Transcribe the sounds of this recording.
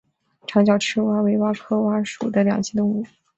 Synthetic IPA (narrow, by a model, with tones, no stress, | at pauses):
ʈ͡ʂʰɑ˧˥ŋt͡ɕ̬jɑ˨˩ʊʈ͡ʂʰɻ̩˥wa˥we˧˥ɪwa˥kʰɤ˥wa˥ʂu˨˩d̪ə˦ljɑ̰˨˩ŋt͡ɕʰi˥t̪ʊ˥˧ŋu˥˩